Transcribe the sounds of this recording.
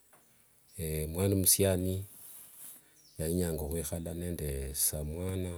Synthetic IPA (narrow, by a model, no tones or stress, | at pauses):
emwanamusjani | jajiɲaːŋɡoxwixalanendesamwaːna